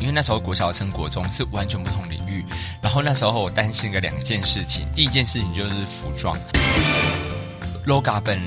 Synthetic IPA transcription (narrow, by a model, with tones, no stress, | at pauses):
i˥nwe˥˧na˥˩ʂə˧˥˩kwɕjɑ˨˩ʊə˨ʂʰə˥ŋkwɔ˧˥ʈ͡ʂʊ˦ŋʂɻ̩˥˩wa˧˦nt͡ɕʰɥɛ˧˥npu˥˩t̪ʰʊ˧˦ŋə˨ḭ˨˩ŋy˥˨˩na˧˥nxo˥˧ʊna˥˩ʂo˥˩ʊwɔ˨˩t̪a˦˥nɕi˥˩ŋɡə˨˦ljɑ˨˩ŋɡə˧˦t͡ɕjɛ˥˧nʂɻ̩˥˩t͡ɕʰḭ˨˩ŋt̪i˥˧i˧˥t͡ɕjɛ˥˧nʂɻ̩˥˩t͡ɕʰi˨˩˨t͡ɕjo˥˧ʊʂɻ̩˥˩fu˨˥ʈ͡ʂwɑ̰˥ŋ | lo˥ʊka˥pə˦˩n